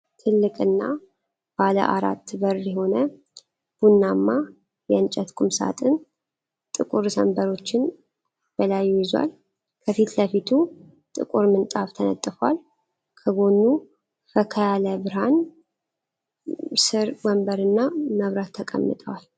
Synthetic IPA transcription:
t̪ʰɨlːɨkʼɨnːa̰ | b̥alə̰ʔaɾa̰t̪ːbərjɛho̞nə | b̥unːamːa | jɛnt͡ʃʼɛt̪kʷʼumsa̰t̪ʼɨn | t̪ʼɨkʼuɾsəmbəɾo̞t͡ʃːɪn | b̥əlajːujɛzwa̰l | kʰəfit̪ləfit̪ʰu | t̪ʼɨ̰kʼuɾmɨnt̪ʼaβt̪ʰənə̰t̪ʼːɨfwal | kʰəɡo̞nːu | fəkʰəjaləbɨɾhan | sɨɾɡɔmbəɾɨnːaməβɾat̪ʰːəkʼə̰mːɨ̰t̪ʼəwal

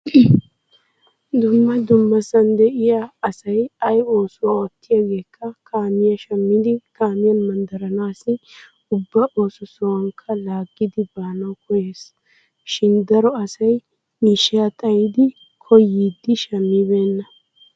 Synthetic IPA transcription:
d̪ʊmːɐd̪ʊmːɐsɐnd̪ɛʔɪjaːsɐjɐjo̞ːsʊwaɔt̪ːɪjaːɡe̞ːkʰːɐkʰaːmɪjɐʃɐmːɪd̪ɪkaːmɪjɐnmɐnd̪ɐɾɐnaːsɪ | ʊbːɐʔoːsʊsɐwɐŋkʰːɐlaːɡːɪd̪ɪbaːnɐwkʰɔjeːs | ʃɪnd̪ɐɾɔɐsɐj | miːʃːɪjat̪ʼɐjɪd̪ɪ | kʰɔjiːd̪ːɪʃɐmːiːbeːnːɐ

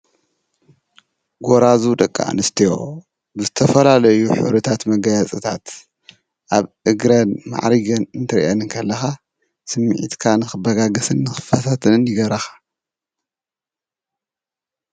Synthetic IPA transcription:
ɡoɾazud̪ɐkʼːa̰ʔnɨst̪ʰijo | bɨzɨt̪ʰɐfɐlalɐjuħṵβɾɨt̪ʰat̪mɐɡɐjat͡sʼɨt̪ʰat̪ | ʔaβʔɨɡɾɐnma̰ʕɾiɡɐnɨnt̪ʰɨɾḭʔanɨnkʰɐlːɐxa | sɨmːiʕḭt̪kʰanɨxɨbɐɡaɡɐsɨnːɨxɨ̥fɐt̪ʰat̪ʰɐnɨnjɪɡɐβɾɐxḁ

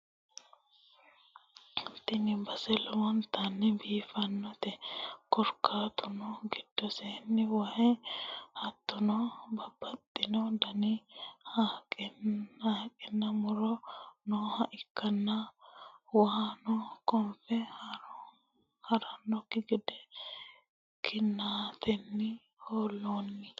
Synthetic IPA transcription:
t̪ːɪnɪbɐsɛlɔwɔnt̪ːɐnːɛbiːfɐnːɔt̪ɛkɔɾkːaːt̪ʊnɔɡɪd̪̥ːɔseːnːɪwɐhɛhɐt̪ːʊnɔbɐbːɐt̪ʼːɪnɔd̪ɐnɪhakʼhaːkʼɪnːɐmʊɾɔnɔhɐʔɪkːɐnːɐ | waːnɔkɔmfɛ | hɐɾɐnːɔkːɪɡɪd̪ɛ | kʰɪnːaːt̪ʰɛnːɪ | hoːlːoːnːɪ

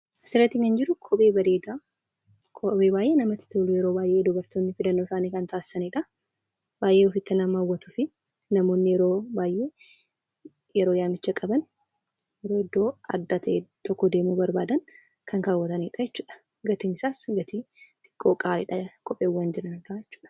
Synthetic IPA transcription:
sɪɾɐt̪ːɪŋkɐnd͡ʒɪɾʊkʰɔpʼe̞ːbɐd̪eːd̪aː | kʰɔeːbaːjʔe̞ːnɐmɐt̪ɪ̥t̪ulʊjɛɾo̞ːbaːjʔe̞ːd̪ʊbɐɾt̪oːnːɪfɪlɐnːoːsaːniːkɐnt̪aːsɪ̥sɐniᶑɐ | baːjʔe̞ːɔfɪt̪ːɐnamɐwːɐt̪ʊfɪ | nɐmo̞ːnːɪjɛɾo̞ːbaːjʔe̞ː | jɛɾo̞ːjaːmɪt͡ʃːɐkʼɐbɐn | jɛɾo̞ːɪd̪ːo̞ːɐ̰d̪ːat̪ʰɐʔeːt̪ɔkːɔd̪e̞ːmuːbɐɾbaːd̪ɐn | kɐŋkaːwːɐt̪ɐniᶑɐjɛt͡ʃːuːᶑɐ̥ | ɡɐt̪ɪnɪsaːsɡɐt̪it̪ɪ̥kʰːoːkʼaːɪ̰ᶑɐkɔpʼeːwːɐnd͡ʒɪɾɐnɐaːjɛt͡ʃːu̥ːᶑɐ̥

